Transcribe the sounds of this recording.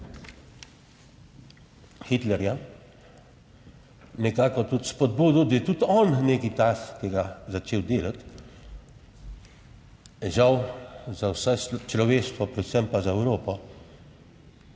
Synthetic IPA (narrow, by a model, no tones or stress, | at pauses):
xit̪lɛɾja | nɛkaːkɔt̪ut̪spɔd̪buːd̪uwd̪ɐjɛt̪ut̪ɔnneːkitaskiɡazat͡ʃeːwd̪eːlat̪ | ʒawzawsɛst͡ʃlɔʋeːʃt̪ʋɔpɾɛt̪sɛmpazaɛwɾoːpɔ